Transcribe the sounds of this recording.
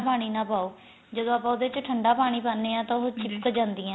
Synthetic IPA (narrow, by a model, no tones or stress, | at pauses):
paːɽ̃iːnãːpaːoː | d͡ʒəd̪õːapaːʊd̪eːɪt͡ʃʈʰəɳɖaːpaːɽ̃iːpaːnːeːãːt̪ãːʊɦot͡ʃɪpkd͡ʒãːnd̪iːãː